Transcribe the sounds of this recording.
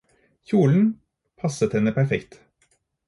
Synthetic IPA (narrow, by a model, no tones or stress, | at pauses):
çuːln̩ | pʰɑsət̪hɛnəpʰæɾfɛkt̪